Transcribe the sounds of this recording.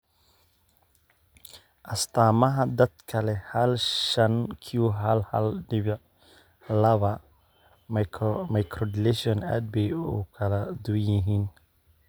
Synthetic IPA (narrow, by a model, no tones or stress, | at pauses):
ʔɐst̪ʰaːmɐɦɐd̪ɐd̪kʰɐlɛhɐlʃɐnkʰiuɦɐlhɐ̰lɖɪβɪʕ | lɐβɐ | mɐjkʰɾɔd̪ɪlɛʃiɔna̰ːd̪̚bɛjuːkʰɐlɐd̪ujɪɦiːn